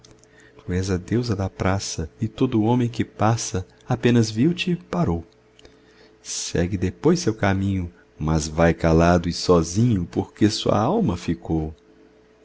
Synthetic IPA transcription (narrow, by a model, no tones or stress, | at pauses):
t̪uɛzɐd̪ewzɐd̪ɐpɾasɐɪt̪od̪ʊõmẽj̃kɪpasɐ | apẽnɐzviwt͡ʃɪpaɾow | sɛ̰ɡɪd̪epojsewkamĩɲʊ | mɐzvajkalad̪ʊɪsɔzĩɲʊpoɾkesuɐ̰awmɐfikow